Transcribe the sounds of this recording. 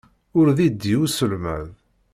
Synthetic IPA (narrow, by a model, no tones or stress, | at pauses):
ʊɾðid̪ːiusəlmæ̰ð